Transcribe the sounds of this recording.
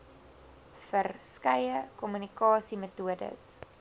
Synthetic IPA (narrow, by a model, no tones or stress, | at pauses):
fərskɐjəkɔmynikɑːsimətuədə̰s